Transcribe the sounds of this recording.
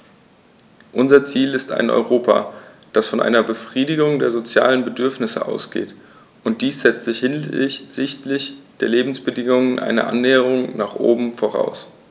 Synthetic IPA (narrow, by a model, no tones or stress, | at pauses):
ʔʊnzɐt͡siːlɪsta̰ɪnʔɔ̰ʏʁoːpʰa̰d̥asfɔnʔa̰ɪnɐbəfʁ̥iːdɪɡʊŋdeːɐzot͡sja̰ːlənbədʏɐfnɪsə̰ʔa̰ʊsɡ̥ḛːt | ʔʊnt̚d̥iːsz̥ɛt͡stz̥ɪçzɪtlɪçd̥eːɐleːbm̩sb̥ədɪŋʊŋənʔa̰ɪnə̰ʔa̰nːɛːəʁ̞ʊŋnaːχʔo̰ːbm̩foʁ̞a̰ʊs